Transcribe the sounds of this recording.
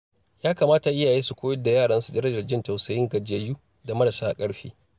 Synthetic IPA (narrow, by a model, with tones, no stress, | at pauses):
jaː˦kaː˨maː˦ta˨ʔɪ˦jaː˨jeː˦su˨kʷoː˦jɛ˦da˨jaː˦˨ɽɐ˦nsu˨dɐ˦ɾɐ˦d͡ʒɐ˨rd͡ʒɪ˦nta˨wsɐ˨jɪ˦ŋɡɐ˨d͡ʒe˨juː˦ | da˨mɐ˦ɽɐ˨saː˦ʔa˨kʼɐ˦ɽɸḭː˦